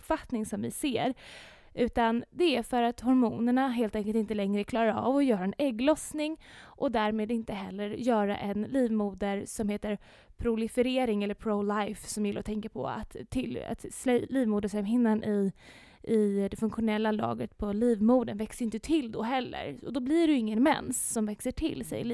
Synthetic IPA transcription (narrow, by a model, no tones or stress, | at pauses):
pfat̪nɪŋsɔmvɪ̰seːɾ | ʔʉ̟ːt̪and̪ɛæɾfœɾat̪hɔɾmuːnəɳaɦeːlt̪ɛŋkəlt̪ɪnt̪əlɛŋɾəkʰlɑːɾaa̰vɔjœːɾaɛnɛɡːlɔsnɪŋʔɔd̪æːɾmeːd̪ɪnt̪əɦɛ̰lːəɾjœːɾa̰ʔɛnliːvmuːd̪əɾsɔmheːt̪əɾ | pʰɾʊlɪfəɾeːɾɪŋɛlːəɾpʰɾolajfsɔmjɪlːa̰ɾɔt̪ʰɛŋkapʰɔ̰a̰t̪ʰːɪla̰t̪slɛliːvmuːd̪əsɛmɦɪnːanʔɪ | ɪd̪ɛfɵŋkɧʊnɛlːalɑ̰ːɡət̪pʰɔliːvmuːd̪ənvɛksəɾjɪnt̪ət̪ʰɪld̪ɔɦɛlːə̰ɾɔ̰d̪ɔblɪɖɪŋːənmɛ̰nsːɔmvɛksəʈʰɪ̰lːsɛ̰j